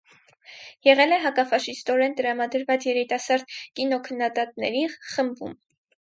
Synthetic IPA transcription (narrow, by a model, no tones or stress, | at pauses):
jɛʁɛlɛɦɑkɑfɑʃist̪ɔɾɛnt̪əɾɑmɑd̪əɾvɑt͡sjɛɾit̪ɑsɑɾd̪kinɔkʰənːɑd̪ɑt̪nɛɾiχəmbṵm